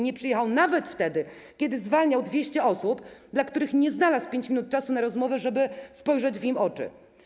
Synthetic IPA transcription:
ɲɛpʂɨjɛxawnavɛt̪ft̪ɛd̪ɘ | kʲɛd̪ɘzvalɲawd̪vʲjeɕt͡ɕɛʔɔsupd̪lakt̪uɾɘxɲɛznalaspʲjeɲt͡ɕmʲinut̪̚t͡ʂasunaɾɔzmɔvɛʐɛbɘspɔjʐɛd͡ʑvɲimɔt͡ʂɘ̰

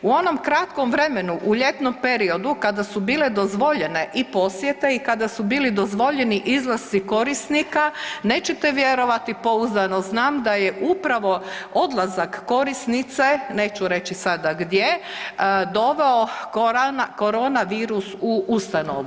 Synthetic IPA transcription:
uo̞no̞mkɾat̪ko̞mʋɾe̞menuʔuʎe̞t̪nompe̞ɾio̞d̪ukad̪asubiːled̪o̞zʋo̞ʎe̞ne̞ʔipo̞sʋjet̪eikad̪asubiːlid̪o̞zʋo̞ʎe̞niʔizlˠast̪siko̞ɾisnikaneːt͡ɕet̪eʋje̞ɾo̞ʋat̪ipo̞uzd̪ano̞znaːmd̪ajeʔupɾaʋo̞od̪lˠazakːo̞ɾisnit̪sene̞ːt͡ɕuɾe̞t͡ʃisad̪aɡd̪je̞ | d̪o̞ʋeonko̞ɾo̞ːnaʋiːɾusuust̪ano̰ʋu

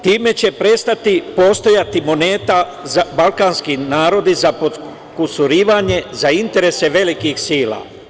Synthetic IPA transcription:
t̪iːme̞t͡ɕe̞pɾe̞st̪at̪ipo̞st̪o̞jat̪imo̞neːt̪a | zabalkaːnskinaːɾo̞d̪izapo | kusuɾiːʋaɲe̞zaint̪e̞ɾe̞se̞ʋe̞likixsiːla̰ː

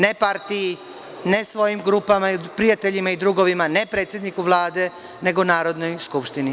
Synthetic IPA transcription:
nepaɾt̪iji | ne̞sʋo̞jimɡɾupamaipɾijat̪e̞ʎimaid̪ɾuɡo̞ʋimane̞pɾe̞ːt̪sʲjed̪nikuʋlˠaːd̪e̞ | ne̞ɡonaːɾo̞d̪no̞jskupʃt̪ini

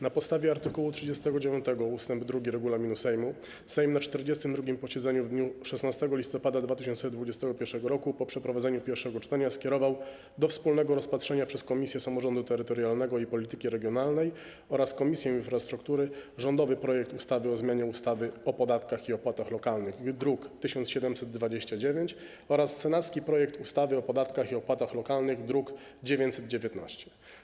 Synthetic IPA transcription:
napɔt̪st̪avʲjɛaɾt̪ɘkuwut̪ʂɘd͡ʑɛst̪ɛɡɔd͡ʑevʲjɔ̃nt̪ɛɡɔust̪ɛmbd̪ɾuɡʲiɾɛɡulamʲinusɛjmu | sɛjmnat͡ʂt̪ɛɾd͡ʑɛst̪ɘmd̪ɾuɡʲimpɔɕɛd̪zɛɲuvd̪ɲuʂɛsnast̪ɛɡɔlʲist̪ɔpad̪ad̪vat̪ɘɕɔnt̪sɛd̪vud͡ʑɛst̪ɛɡɔpʲjɛɾʂɛɡɔɾɔkupɔpʂɛpɾɔvad̪zɛɲupʲjɛɾfʂɛɡɔt͡ʂt̪aɲaskʲɛɾɔvaw | d̪ɔfspulnɛɡɔɾɔspatʂɛɲapʂɛskɔmʲisʲjɛsamɔʐɔnd̪ut̪ɛɾɘt̪ɔɾjalnɛɡɔipɔlʲit̪ɘkʲiɾɛɡjɔnalnɛj | ɔɾaskɔmʲisʲjɛ̃infɾast̪ɾukt̪uɾɘʐɔnd̪ɔvɘpɾɔjɛk̚t̪ust̪avɘɔzmʲjaɲɛust̪avɘɔpɔd̪at̪kaxiɔpwat̪axlɔkalnɘxd̪ɾukt̪ɘɕɔnt̪sɕɛd̪ɛmsɛd̪ːvad͡ʑeɕt͡ɕad͡ʑevʲjeɲt͡ɕ | ɔɾast̪ːsːɛnat̪skʲipɾɔjɛk̚t̪ust̪avɘɔpɔd̪at̪kaxiɔpwat̪axlɔkalnɘɣd̪ɾukd͡ʑevʲjeɲt͡ɕʲsɛd̪̚d͡ʑevʲjɛt̪na̰ɕt͡ɕɛ̥

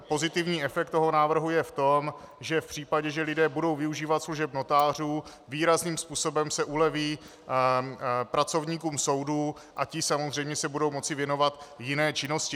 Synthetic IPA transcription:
po̞zɪt̪ɪvɲiːʔɛfɛk̚t̪ːo̞ɦo̞naːvr̩ɦujɛft̪o̞m | ʒɛfpr̥iːpaɟɛʒɛlɪdɛːbudo̞wvɪuʒiːvat̪sluʒɛbnot̪aːr̝uː | viːɾazniːmspuːso̞bɛmsɛʔulɛviː | pɾat͡so̞vɲiːkuːmso̞wduː | ʔacɪsamozrɛjmɲɛsɛbudo̞wmo̞t͡sɪvjɛno̞vat̪jɪnɛːt͡ʃɪno̞scɪ

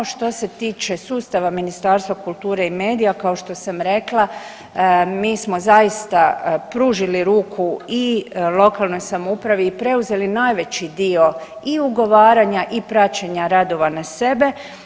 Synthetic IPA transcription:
ʃt̪o̞se̞t̪iːt͡ʃe̞suːst̪aʋaminist̪aːɾst̪ʋakulˠt̪uːɾe̞ime̞ːd̪ijakao̞ʃt̪o̞samɾe̞klˠa | miːsmo̞zajist̪apɾuːʒiliɾuːkʰuilˠo̞kalˠno̞jsamoupɾaʋiːpɾe̞uze̞linajʋe̞t͡ɕid̪io̞iuɡo̞ʋaːɾaɲaʔipɾat͡ɕeɲaɾad̪o̞ʋanase̞be̞

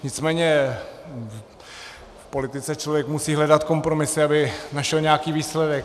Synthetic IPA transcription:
ɲɪt͡smɛːɲɛ | fpo̞lɪt̪ɪt͡sɛt͡ʃlovjɛkmusiːɦlɛdat̪ko̞mpɾo̞mɪsɪabɪnaʃɛlɲɛakiːviːslɛdɛk

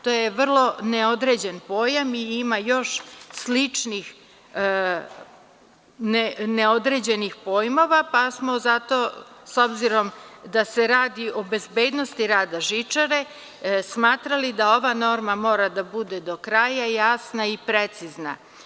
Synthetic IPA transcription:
t̪o̞ːjeʋr̩lˠo̞neod̪ɾe̞d͡ʑenpo̞ːjamiimajo̞ʃslit͡ʂnix | neneod̪ɾe̞d͡ʑenixpo̞ːjmo̞ʋapasmo̞zat̪o̞so̞bziɾo̞md̪aseɾaːd̪iʔo̞be̞zbeːd̪no̞st̪iɾaːd̪aʒit͡ʂaɾe̞ | smaːt̪ɾalid̪ao̞ʋano̞ːɾmamo̞ːɾad̪abud̪ed̪o̞kɾajajasnaipɾet̪sizna̰

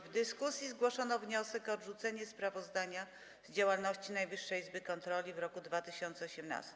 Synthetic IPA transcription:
vd̪ɘskusʲjizɡwɔʂɔnɔvɲɔsɛkɔːd̪ʐut̪sɛɲɛspɾavɔzd̪aɲa | zd͡ʑawalnɔɕt͡ɕinajvɘʂːɛizbɘkɔnt̪ɾɔlʲivɾɔkud̪vat̪ɘɕɔnt̪sɛɔɕɛmna̰st̪

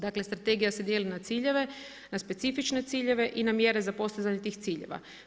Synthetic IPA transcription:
d̪akle̞st̪ɾat̪e̞ɡijase̞d̪jeːlinat̪siːʎe̞ʋe̞ | naspe̞t̪sifit͡ʃne̞t̪siːʎe̞ʋe̞ʔinamje̞ɾe̞zapo̞st̪izaɲet̪iːxt̪siːʎḛʋa̰

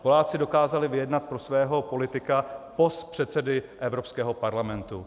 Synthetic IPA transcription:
po̞laːt͡sɪdo̞kaːzalɪvɪjɛdnat̪̚pɾosvɛːɦo̞po̞lɪt̪ɪkapo̞st̪pr̝̥ɛt̪sɛdɪʔɛvɾo̞pskɛːɦo̞paɾlamɛnt̪u

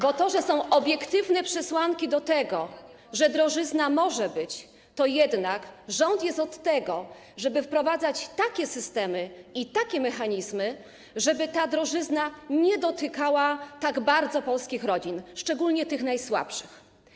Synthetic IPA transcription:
bɔt̪ɔʐɛsɔ̃w̃ʔɔbʲjɛkt̪ɘvnɛpʂɛswaŋkʲid̪ɔt̪ɛɡɔ | ʐɛd̪ɾɔʐɘznamɔʐɛbɘt͡ɕ | t̪ɔjɛd̪nakʐɔnt̪jɛst̪ɔt̪ːɛɡɔ | ʐɛbɘfpɾɔvad̪zat͡ɕt̪akʲɛsɘst̪ɛmɘit̪akʲɛmɛxaɲizmɘ | ʐɛbɘt̪ad̪ɾɔʐɘznaɲɛd̪ɔt̪ɘkawat̪aɡbaɾd̪zɔpɔlskʲixɾɔd͡ʑinʂt͡ʂɛɡulɲɛt̪ɘxnajswa̰pʂɘx

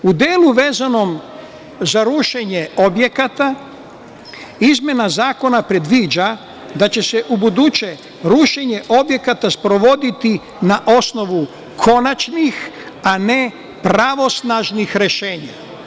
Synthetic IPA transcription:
ud̪eːlˠuʋe̞ːzano̞m | zaɾuʃe̞ɲeo̞bje̞kat̪a | izmje̞nazaːko̞napɾe̞d̪ʋiːd͡ʒa | d̪at͡ɕe̞seʔubud̪ut͡ɕe | ɾuʃe̞ɲe̞ʔo̞bje̞kat̪aspɾo̞ʋo̞d̪it̪i | naʔo̞sno̞ʋu | kʰo̞nat͡ʃnix | ane̞ | pɾaʋo̞snaʒnixɾeʃeːɲa

